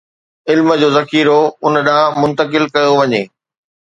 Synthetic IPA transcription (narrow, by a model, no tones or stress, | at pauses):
ɪlmə̆d͡ʑoːzɐkiːɾoʊnəɗãːmʊ̃nt̪əkɪlkɐjoʋɐɲeː